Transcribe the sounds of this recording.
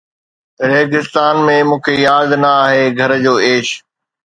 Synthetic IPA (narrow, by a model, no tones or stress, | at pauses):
ɾeːɡɪst̪aːnmẽmũːkʰejaːd̪nɐaːɦeːɡʱɐɾd͡ʑoːeːʃ